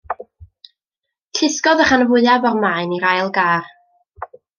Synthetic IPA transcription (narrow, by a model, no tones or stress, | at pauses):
ɬʰɪskɔðəχanəvʊɨabɔrmaɨniɾajlˠɡaːr